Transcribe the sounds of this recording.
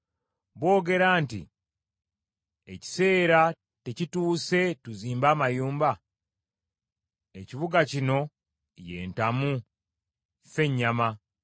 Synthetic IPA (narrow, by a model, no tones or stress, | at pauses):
βwo̞ːɡe̞ɾaːntḭ | e̞ci̥se̞ːɾa | te̞cituːse̞tuziːmbaːmajuːmba | e̞ciβuɡacino̞ | je̞̰ːntamu | fe̞ɲːama